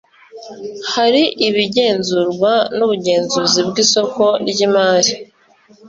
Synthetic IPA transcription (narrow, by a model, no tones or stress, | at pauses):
haɾiʔiβiɟe̞ːnzuɾɡwanuβuɟe̞ːnzuːzibɡiːso̞ko̞ɾɟimaːɾi